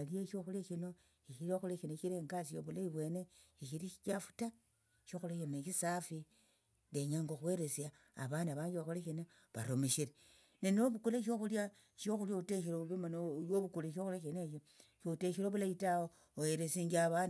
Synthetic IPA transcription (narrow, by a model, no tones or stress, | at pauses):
alijeʃoxulaʃino | iʃiɾioxuleʃinoʃiɾeːŋɡasijoβulaiβwe̞ne | iʃilit͡ʃafu̥ta | ʃoxuleʃinekisafi | ndeɲaŋɡoxweɾesja̰ː | βandaβaːɲɡiβaxuleʃina | βa̰ɾomeʃiɾe | nenoβukuleʃ̬oxulja | ʃoxuljouteʃiloβimanooβukuleʃ̬oxuleʃineʃo | ʃoteʃiɾoβulaitao | ojeɾesiŋɡaβand